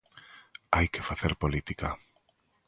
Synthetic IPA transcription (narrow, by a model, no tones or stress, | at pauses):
ajkefaθeɾpolit̪ika